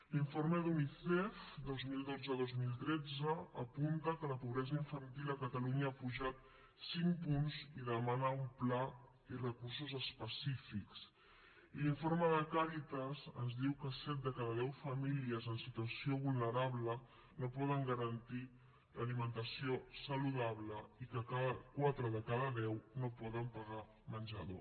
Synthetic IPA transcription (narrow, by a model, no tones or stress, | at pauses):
liɱfoɾməðuniθɛfd̪ozmilˠd̪od͡zəðozmilˠt̪ɾɛd͡zəːpunt̪əkələpuβɾɛzəiɱfənt̪ilˠəkət̪əluɲəapuʒat̪̚ | siŋpunziðəmanəumpla | irəkurs̬uzəspəsifiks | iliɱfoɾməðəkaɾit̪əzənzðiwkəsɛt̪̚d̪əkaðəðɛwfəmiliəzənsit̪uəsioβulˠnəɾaβlə | nopɔðəŋɡəɾənt̪i | ləlimənt̪əsiosəluðaβləikəkaðəkwat̪ɾəðəkaðəðɛwnopɔðəmpəɣa | mənʲd͡ʒəðo